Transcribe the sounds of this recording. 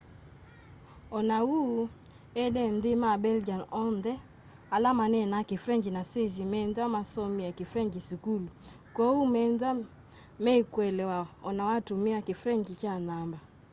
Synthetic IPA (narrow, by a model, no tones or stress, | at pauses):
ɔnawu | ɛdɛndemabɛld͡ʒanɔndɛ | alamanɛnakefɾɛŋɡinaswezimɛndwamasɔmiakefɾɛŋɡisukulu | kɔumɛndwa | mɛikwɛlɛwaɔnawatumiakefɾɛŋɡikjanamba